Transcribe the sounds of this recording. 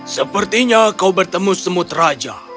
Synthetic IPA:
səpərt̪iɲakawbərt̪əmʊsəmʊt̪rad͡ʒa

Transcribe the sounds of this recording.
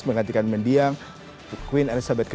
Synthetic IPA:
sməŋant̪̬ikanməndiaŋ | kwinalisabɛt̪kə

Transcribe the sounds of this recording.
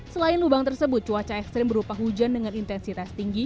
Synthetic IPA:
səlaɪnlubaŋt̪ərsəbʊt̪̚t͡ʃuwat͡ʃaɛkst̪ɾɪmbəɾupaɦud͡ʒandəŋanint̪ɛnsit̪ast̪iŋɡi

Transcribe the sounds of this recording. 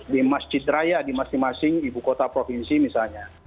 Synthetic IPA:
dimasd͡ʒit̪̚ɾajadimasɪŋmasɪŋibukɔt̪apɾɔfinsimisalɲa

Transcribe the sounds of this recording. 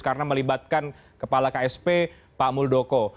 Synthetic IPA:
kaɾənaməlibat̪̚kan | kəpalakaɛspe | pamuldokɔ

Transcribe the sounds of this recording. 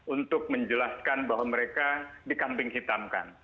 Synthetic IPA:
unt̪ʊk̚məɲd͡ʒəlaskanbaɦwaməɾekadikampɪŋɦit̪amka̰n

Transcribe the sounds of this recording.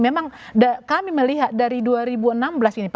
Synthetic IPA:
memaŋdakamiməliɦat̪̚daɾiduaɾibuənambəlasinip

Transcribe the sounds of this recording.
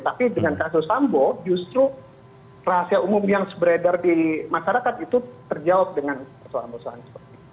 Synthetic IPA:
t̪apidəŋankasʊsambod͡ʒust̪ɾu | raɦasiaumʊmjaŋsəbəɾedərdimaʃaɾakat̪it̪ut̪ərd͡ʒawap̚dəŋanpərsoanbosaansə̥pərt̪i

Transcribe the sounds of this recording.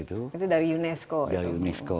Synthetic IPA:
it̪uit̪udaɾijunɛskodaɾiunɛsko

